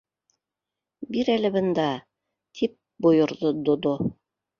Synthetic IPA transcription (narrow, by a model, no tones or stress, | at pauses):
biɾælɘ̆βɤ̆nd̪ɑ | t̪ʰip̚ | bŏjŏɾðod̪ŏd̪o